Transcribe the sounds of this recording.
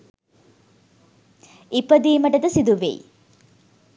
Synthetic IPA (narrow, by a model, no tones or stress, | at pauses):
ipɐd̪iːmɐʈɐd̪ɐsid̪uʋḛː